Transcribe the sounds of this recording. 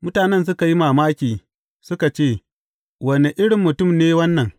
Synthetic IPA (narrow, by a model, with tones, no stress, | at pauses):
mʊ˦taː˨nɛ˦˨ns̬ʊ˦ka˨ji˦maː˨maː˦kʲiː˨ | sʊ˦ka˨t͡ʃeː˦˨ | wɐ˨ne˨ʔɪ˦ɽɪ˨mːʊ˨tʊ˦˨mneː˦wɐ˦nːɐ˨ŋ